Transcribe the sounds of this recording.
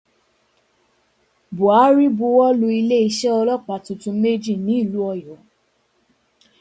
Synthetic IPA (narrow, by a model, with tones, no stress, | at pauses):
bo˨a˨˦ɾi˦bu˧wɔ˦lo˧i˧le˦i˧ʃɛ˦ɔ˧lɔ˦k͡pa˨tũ˨tũ˧˦me˦d͡ʒi˦˨nĩ˨˦i˦˨lu˨˦ɔ˧jɔ˨˦